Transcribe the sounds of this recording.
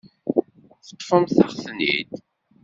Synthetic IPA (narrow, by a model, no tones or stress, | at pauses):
θə̥t̪ˤːfəmθɑχθnːḭd̪